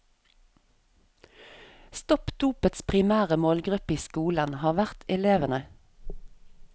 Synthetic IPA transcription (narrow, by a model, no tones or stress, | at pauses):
st̪ɔpd̪̥uːpət̪spʰʁɪmæːʁəmoːlɡʁʉpiːskuːlənhɑːʁʋæʁt̪ʰɛleːʋənə